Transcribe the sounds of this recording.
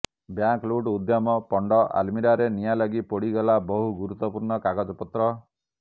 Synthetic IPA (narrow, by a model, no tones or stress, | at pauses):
bjaŋkluɖud̪jamɔpɔɳɖɔʔa̰lmiɾaɾenijalaɡipɔɽiɡɔlabɔɦuɡuɾut̪ːɔpuɾɳɔkaɡad͡ʒɔpɔt̪ɾɔ